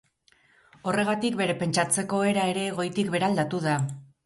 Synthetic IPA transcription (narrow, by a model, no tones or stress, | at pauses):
o̞re̞ɣat̪ikbe̞ɾe̞pe̞nt͡ʃat͡se̞ko̞e̞ɾae̞ɾe̞ɣo̞jt̪ikbe̞ɾald̪at̪uða